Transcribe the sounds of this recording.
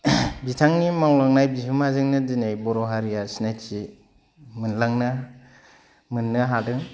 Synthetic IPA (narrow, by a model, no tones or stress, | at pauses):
bitʰaŋnimaŋlaŋnajbiɦɯmazɯŋnɯdinajbɔɾɔɦaɾijasinajti | mɯnlaŋna | mɯnːɯɦadɯ